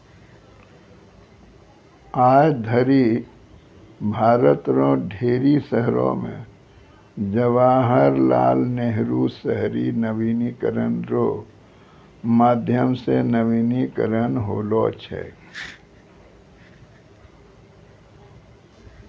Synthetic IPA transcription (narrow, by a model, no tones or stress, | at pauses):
aːjd̪ʱəɾi | bʱaːɾət̪ɾõɖʱeːɾisəɦɾõ̰mḛ̃ | d͡ʒəʋaːɦəɾla̰ːlneɦɾusəɦɾinəʋiːnikəɾənɾoː | maːd̪ʱjəmsenəʋiːnikəɾənɦoːlot͡ʃʰɛ̰